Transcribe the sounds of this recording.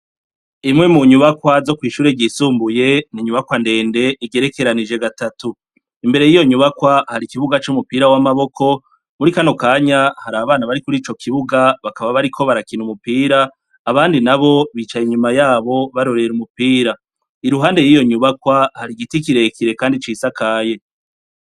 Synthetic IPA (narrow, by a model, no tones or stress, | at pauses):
imŋe̞muɲuβakwazo̞kwiːʃuːɾeɟisuːmbuje̞niɲuβakwande̞ːnde̞ʔiɡe̞ɾe̞ke̞ɾanid͡ʒe̞ɡatatu | imbe̞ɾe̞jijo̞ɲuβakwahaɾikiβuɡat͡ʃumupiːɾawamaβo̞kʰo̞ | muɾikano̞kaːɲahaɾaːβaβaːnaβaɾikuɾiːt͡ʃo̞kʰiβuɡaβakaβaβaɾikʰo̞βaɾakinumupiːɾaː | βaːndinaβo̞βiːt͡ʃajiɲumajaːβo̞βaɾo̞ɾe̞ɾumupiːɾa | iɾuɦaːnde̞jijo̞ɲuβakwahaɾiɡitikiɾe̞kʰiɾe̞kaːndit͡ʃiːsakaːje̞